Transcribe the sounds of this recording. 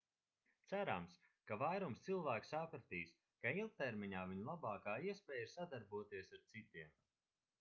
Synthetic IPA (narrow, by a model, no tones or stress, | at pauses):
t̪sæɾams | kavajɾumst̪silˠvæːksapɾat̪iːs | kail̚ˠt̪ɛɾmʲiɲaːviɲlˠabɑːkaːiɛspʲɛːjsad̪aɾbuɔt̪iɛsaɾt̪sit̪iɛm